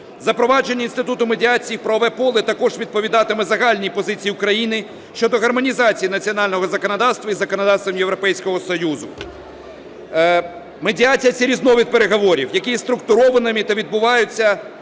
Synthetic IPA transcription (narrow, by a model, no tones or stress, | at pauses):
zɐpɾɔʋɑd͡ʒe̞nʲːɐinst̪ɪt̪ut̪ʊmedʲiat͡sʲijipɾɔːʋɛpɔlˠɪt̪ɐkɔʒʋʲid̪̚pɔʋʲid̪ɑt̪ɪmɪzɐɦɑlʲnʲipɔzɪt͡sʲijiʊkɾɐjinɪ | ʃt͡ʃɔd̪ɔɦɐrmɔnʲizɑt͡sʲijinɐt͡sʲiɔnɑlʲnɔɦɔzɐkɔnɐd̪ɑwst̪ʋɐizɐkɔnɐd̪ɑwst̪ʋɐmjewɾɔpɛjsʲkɔɦɔsɔjuzʊ | medʲiat͡sʲijɐt͡sʲɐɾʲiznɔʋʲid̪̚peɾeɦɔʋɔɾʲiwjɐkijst̪ɾʊkt̪ʊɾɔʋɐnɪmʲit̪ɐʋʲid̪̚bʊʋɑjʊt͡sʲːɐ